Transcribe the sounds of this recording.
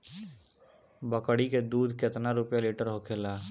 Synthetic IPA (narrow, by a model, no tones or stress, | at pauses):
bəkəɽiked̪uːd̪ʱket̪naɾʊpjaleːʈəɾɦokʰelaː